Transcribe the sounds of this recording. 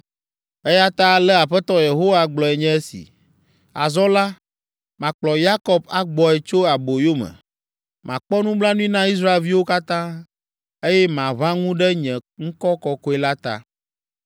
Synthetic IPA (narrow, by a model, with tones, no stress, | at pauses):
e˦ja˦t̪a˦lɛ˦a˨ɸɛ˦t̪ɔ˦je˨ɦo˦wa˦ɡ͡blɔ˨ɛ˨ɲɛ̃˦e˦sḭ˨ | a̰˨zɔ˦la˦ | mã˨k͡plɔ˨ja˦kɔ˦ba˨ɡ͡bɔ˨ɛ˨t͡ʃo˦a˨bo˨jo˦mɛ̰̃˨ | mã˨k͡pɔ˦nũ˦blã˦nũ˦i˦nã˦i˦s̬ɾa˦e˨lvi˦wo˦ka˦t̪ã˦ | e˦jɛ˦mã˨βã˦ŋũ˦ɖɛ˦ɲɛ̃˨ŋ̩˦kɔ˦kɔ˨kɔ˦ɛ˨la˦t̪a̰˦